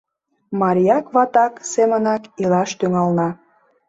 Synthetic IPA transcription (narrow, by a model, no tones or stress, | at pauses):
mɑɾʲijɑkβɑt̪ɑksemənɑkilɑʃt̪yŋɑlnɑ